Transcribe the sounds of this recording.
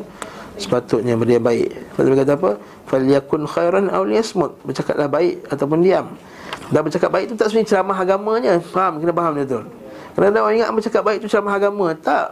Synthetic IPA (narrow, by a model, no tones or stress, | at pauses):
sə̥pat̪ʊt̪̚ɲabərdiambaɪ̰ʔpa̰t̪bəkat̪̬aap̬ə | faljakʊnxajɾanʔa̰wlijasmʊt̪̚bərt͡ʃakat̪̚lahbaɪʔat̪awp̬ʊndiam | danbərt͡ʃakat̪̚baɪʔ̚t̪ut̪aʔsunit͡ʃəlamaɦaɡamãɲəpaɦamkənap̬aɦamd̪əd̪ʊl | karnadawaiŋa̰ʔbərt͡ʃakat̪̚baɪʔt̪ut͡ʃəlamaɦaɡamãt̪aʔ